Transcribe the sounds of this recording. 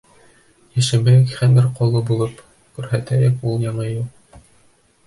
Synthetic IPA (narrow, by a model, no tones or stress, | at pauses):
jæ̆ʃɘ̆mɘkχænɘɾqɑlˠɤbulˠɤp | kʉɾhæt̪æjækulˠjɑɴɤjuq̚